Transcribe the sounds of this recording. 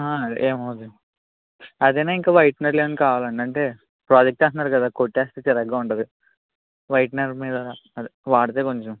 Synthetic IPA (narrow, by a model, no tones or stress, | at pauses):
ɦaːɐd̪̰ʔeːmɐʋɐd̪u | ɐd̪enaːiŋkaːʋɐjʈnɐɾleːʋɐnikaːʋaːlɐɳɖɐɳʈe̞ː | pɾaːd͡ʒɐk̚ʈaːnunːaːɾukɐd̪aːkoʈːaːstit͡ʃɛɾɐɡːaːuɳʈɐd̪i | ʋɐjʈnɐɾmiːd̪ɐd̪iʋaːɽɐt̪eːkoɲt͡ʃom